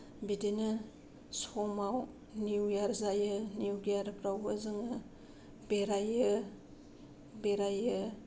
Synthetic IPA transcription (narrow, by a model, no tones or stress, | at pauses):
bidenɯ | sɔmaw | niwjaɾzajɯniuɡijaɾpɾawɯzɯŋɯ | beɾajɯ | beɾajɯ